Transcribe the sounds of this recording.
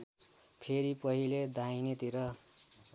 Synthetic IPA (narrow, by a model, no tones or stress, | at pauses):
pʰeɾipʌɦiled̪ʱajnet̪iɾʌ